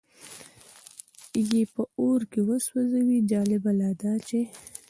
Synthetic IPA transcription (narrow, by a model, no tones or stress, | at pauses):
jepəoɾkewəswazawid͡ʒɑlɪbalɑd̪ɑt͡ʃe